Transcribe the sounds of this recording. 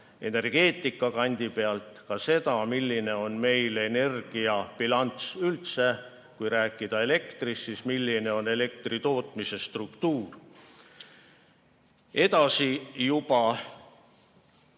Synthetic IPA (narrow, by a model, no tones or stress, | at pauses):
e̞ne̞rɡ̥e̞ːt̪ːˑikːˑɑkɑnʲd̪̥ipe̞ɑlt̪ˑkɑse̞d̪ɑmilːine̞o̞nme̞jle̞ne̞rɡ̥ijɑpilɑnt̪sylt̪se̞ | kujɾæːkːˑid̪̥ɑe̞le̞kt̪risːismilːine̞o̞ne̞le̞k̚t̪rit̪o̞ːt̪ˑmise̞st̪rukt̪uːr | e̞d̪̥ɑsijubɑ